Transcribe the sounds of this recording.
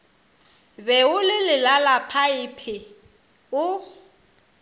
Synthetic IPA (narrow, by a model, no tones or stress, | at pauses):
bɛʊlɪlɪlalapʰaɪpʰɪ | ʊ